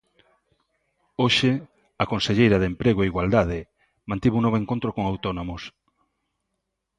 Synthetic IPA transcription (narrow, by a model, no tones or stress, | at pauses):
oʃe | akonseʎejɾaðempɾeɣoeiɣwald̪að̞ɪ | mãnt̪iβuŋnoβoeŋkont̪ɾokoŋawt̪onomos